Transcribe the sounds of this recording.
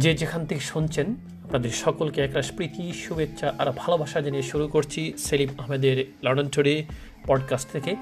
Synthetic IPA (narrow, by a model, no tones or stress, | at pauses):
d͡ʑed͡ʑekʰant̪ʰekeʃunt͡ɕʰen | apnad̪eɾʃɔkolkeɛkɾaʃpɾit̪iʃubetːɕʰaʔaɾbʱalobʱaʃad͡ʑenieʃuɾukoɾt͡ɕʰiselipaɦmed̪eɾlɔɽ̃ontʰoɽi | pɔɖkasʈ̚t̪ʰeke